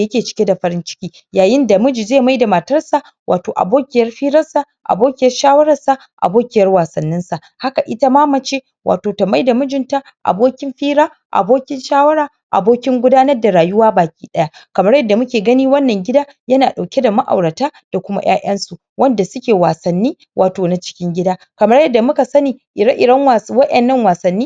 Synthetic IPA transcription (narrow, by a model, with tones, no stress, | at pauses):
jɐ˦kʲeː˨t͡ʃɪ̥˦kʲe˦da˨ɸɐ˦ɾɪ˦nt͡ʃɪ̥˦kʲiː˦ | jaː˨jɪ˦nda˨mʊ˦d͡ʒi˨zeː˦˨ma˦jda˨mɐ˨tɐ˦rsa˨ | wʔa̰ː˨toː˨ʔa̰˨boː˦kʲɪ˨jɐ˦rɸiː˦ɾɐ˦rsa˨ | ʔa̰˨boː˦kʲɪ˨jɐ˦rʃaː˦wɐ˦ɾɐ˨rsa˨ | ʔa̰˨boː˦kʲɪ˦jɐ˦rwaː˨sɐ˨nːɪ˦nsa˨ʔ | ha˦ka˨ʔɪ˦ta˦maː˦mɐ˨t͡ʃeː˦ | wʔa̰ː˨toː˨ta˨ma˦jda˨mʊ˦d͡ʒɪ˨nta˨ | ʔa̰˨boː˦kʲɪ˦mɸiː˦ɾaː˦ | ʔa̰˨boː˦kʲɪ˦nʃaː˦wɐ˦ɾaː˨ | ʔa̰˨boː˦kʲɪ˦ŋɡʷʊ˦daː˦nɐ˦rda˨ɾaː˨jʊ˦waː˦baː˨kʲiː˦ɗɐ˦ja˦kɐ˨mɐ˦rjɐ˦dːa˨mʊ˦kʲeː˨ɡɐ˦niː˦wɐ˦nːɐ˨ŋɡʲɪ˦daː˦ | jɐ˦naː˨ɗa˨wkʲe˦da˨ma˦ʔa̰˨wɽɐ˨taː˦d̥a˨kʷʊ˦ma̰˦j̰a̰ː˦ʔɐ˦nsu˨ | wɐ˦nda˨sʊ˦kʲeː˨waː˨sɐ˨nːiː˦ | wʔaː˨toː˨na˨t͡ʃɪ̥˦kʲɪ˦ŋɡʲɪ˦daː˦ | kɐ˨mɐ˦rjɐ˦dːa˨mʊ˦ka˨sɐ˦niː˨ʔɪ˨ɾɐ˦ʔɪ˨ɽɐ˦ŋwwɐ˦ʔɛ˨nːɐ˦ŋwaː˨sɐ˨nːiː˦